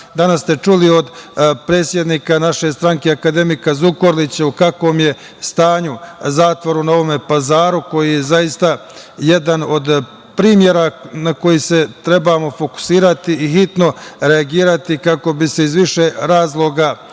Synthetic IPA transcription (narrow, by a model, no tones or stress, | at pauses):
d̪anast̪e̞t͡ʃulio̞d̪pɾe̞ːt̪sje̞d̪niːkanaʃe̞st̪ɾaŋke̞akad̪e̞mikazukoɾlit͡ɕaukakʋo̞ːmje̞ | st̪aːɲuzaːt̪ʋoɾunao̞ʋo̞mepazaːɾuko̞jijezajist̪a | je̞d̪ano̞d̪ | pɾiːmje̞ɾanako̞jise̞t̪ɾe̞bamo̞fo̞ku̥siːɾat̪iːɦit̪no̞ɾe̞aɡiːɾat̪ikako̞bise̞izʋiʃeɾaːzlˠo̞ɡa